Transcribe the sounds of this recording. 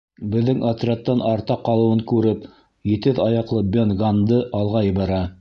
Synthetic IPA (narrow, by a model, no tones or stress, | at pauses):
bɘ̆ðːɘŋat̪rʲat̪ːɑnɑɾt̪ɑqɑlˠɤ̆wɤŋkʉɾɘp | jɘ̆t̪ɘðɑjɑqlˠɤbʲonɡand̪ɤʔɑlˠʁɑjɤ̆βɑɾɑ